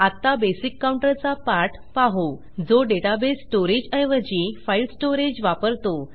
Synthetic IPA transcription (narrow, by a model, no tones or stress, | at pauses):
at̪ːabesikːawɳʈəɾt͡sapaʈ | paɦo | d͡zoɖeʈabesːʈoɾed͡ʑəjʋəd͡ʑifailsʈoɾed͡ʑʋapəɾt̪o